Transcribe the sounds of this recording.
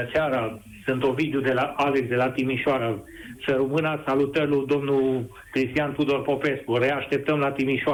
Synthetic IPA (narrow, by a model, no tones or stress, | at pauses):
t͡ʃaɾa | sɨnt̪ovid̪eod̪e̞laʔaleksd̪e̞lat̪imiʃoaɾasəɾumɨnasalut̪əɾlud̪o̞mnu | kɾist̪ijanpud̪o̞rpo̞pe̞skureaʃt̪e̞p̚t̪əmlat̪imiʃoa